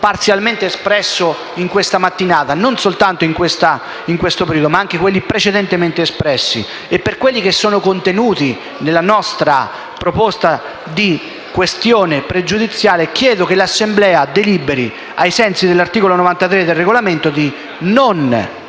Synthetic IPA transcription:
part̪sjalment̪eːspɾɛsːo | iŋkwest̪amat̪ːinaːt̪anonsolt̪ant̪oiŋkwest̪a | iŋkwest̪opeɾiːd̪omaaŋk̟ekwelːipɾet͡ʃed̪ɛnt̪ement̪eːspɾɛsːḭ | epːerkwelːik̟esːoːnokont̪enuːt̪i | nelːanɔst̪ɾa̰ | pɾopost̪a | d̪i | kwest̪joːnepɾed͡ʒud̪it̪sːjaːlek̟jɛːd̪okelasːemblɛːad̪elibeɾi | ajsɛnsid̪elːart̪iːkolonovant̪at̪ɾed̪ːelreɡolament̪od̪i | non

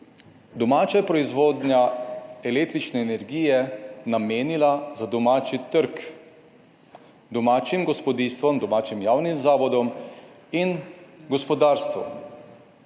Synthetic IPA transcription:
d̪ɔmaːt͡ʃapɾɔizʋoːd̪njaɛlek̚t̪ɾit͡ʃnɛːnɛɾɡiːjɛnameːnilazad̪ɔmaːt͡ʃit̪əɾk | d̪ɔmaːt͡ʃimɡɔspɔd̪ist̪ʋɔmd̪ɔmaːt͡ʃimjaːwnimzaːʋɔd̪ɔm | inɡɔspɔd̪aːɾst̪ʋṵ

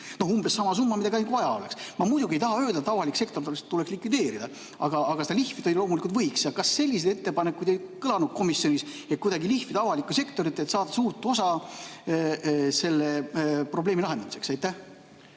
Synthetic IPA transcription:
no̞humb̥e̞sːɑmɑsumːɑmid̪ɑɡiɑjnk̪vɑjɑo̞le̞ksmɑmujd̪uɡiejt̪ɑɦɑø̞ːld̪ɑt̪ːˑɑvɑlikse̞kt̪o̞rt̪elest̪ːule̞kslikvid̪e̞ːɾid̪ɑ | ɑɡ̥ɑːɡ̥ɑsed̪ɑlihfit̪olʲilo̞ːmulikult̪vɤjksjɑkɑsːe̞lʲːise̞d̪et̪ːe̞pɑnekːud̪ejkɤlɑnud̪̥̚ko̞misjo̞nʲis | et̪̚kujd̪ɑɡilihfit̪ɑɑvɑlikːˑuse̞kt̪o̞ɾit̪ːe̞t̪sɑːd̪̥ɑsuːrt̪ːˑo̞sɑ | se̞lːepro̞ble̞ːmilɑɦend̪ɑmise̞ksɑjt̪ːæh

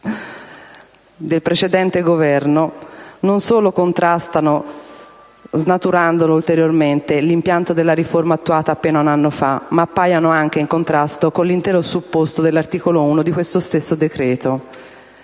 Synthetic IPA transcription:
d̪elpɾet͡ʃed̪ɛnt̪eɡovɛrnononsoːlokont̪ɾast̪ano | znat̪uɾand̪oloult̪eɾjorment̪elimpjant̪od̪elːaɾiformaːt̪ːuaːt̪aːpːeːnaunanːofamaːpːaːjanoaŋk̟eiŋkont̪ɾast̪okonlint̪ɛːɾosupːost̪od̪elːart̪iːkolouːnod̪ikwest̪ost̪esːod̪ekɾɛːt̪o

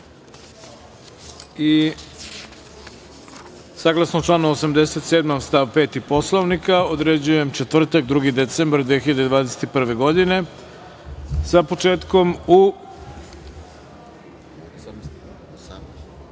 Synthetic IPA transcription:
i | saːɡlasnot͡ʃlˠaːnuosamd̪e̞set̪seːd̪mamst̪aʋpe̞ːt̪ipo̞slˠoʋnikaod̪ɾe̞d͡ʑuje̞mt͡ʃet̪ʋr̩t̪ak̚d̪ɾuːɡid̪et̪sembaɾd̪vʋiexiʎad̪ed̪ʋaːd̪ese̥t̪ipr̩ʋe̞ɡo̞d̪ine̞ | sapo̞t͡ʃe̞ːt̪ko̞mu

